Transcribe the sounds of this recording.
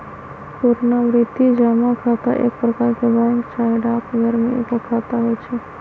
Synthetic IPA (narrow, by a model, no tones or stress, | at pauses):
puɾnaʋɾɪt̪id͡ʒamãkʰat̪a̰ʔek̚pɾəkaɾkebãŋkt͡ʃaɦeɖakɡʱəɾmḭupəkʰat̪aɦojt͡ʃʰe